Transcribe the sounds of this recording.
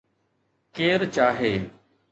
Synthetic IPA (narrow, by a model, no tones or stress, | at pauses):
keːɾt͡ʃaːɦeː